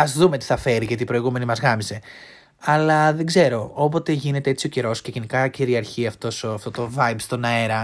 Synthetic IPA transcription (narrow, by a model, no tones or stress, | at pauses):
ɐzðume̞t̪i̥θɐfe̞ɾiʝɐt̪ipɾo̞iɣume̞nimɐzɣɐmise̞ | ɐlɐðe̞ɡze̞ɾo̞op̬o̞t̪e̞ʝine̞t̪e̞et͡sio̞ce̞ɾo̞sce̞ʝe̞nikɐciɾiɐɾçiɐft̪o̞soɐft̪o̞t̪o̞vɐjbst̪o̞nɐeɾɐ